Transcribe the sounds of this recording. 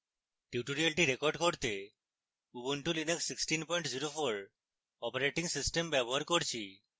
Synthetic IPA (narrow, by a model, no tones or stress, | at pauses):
ʈjuʈoɾialʈiɾekɔɾɖkoɾt̪e | ubuɳʈulineksːiksʈinpɔj̃ɳʈziɾofoɾ | ɔpaɾeʈiŋsisʈembɛboɦaɾkoɾt͡ɕʰi